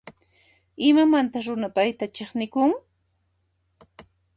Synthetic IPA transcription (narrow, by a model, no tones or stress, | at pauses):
ɪmamant̪aɾʊnapajt̪at͡ʃeχnɪkʊŋ